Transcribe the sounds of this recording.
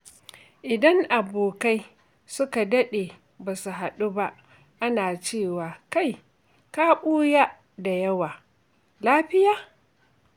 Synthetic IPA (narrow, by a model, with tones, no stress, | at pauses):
ʔɪ˨dɐ˦ŋʔa˨boː˨ka˦j | sʊ˦ka˨dɐ˦ɗeː˨ | baː˨su˨ɦa˨ɗu˦ba˦ʔ | ʔa˦naː˨t͡ʃeː˦˨waː˨ka˦˨j | kaː˦ɓuː˦ja˦ | da˨jɐ˦waː˨ | laː˦ɸɪ˦jaː˨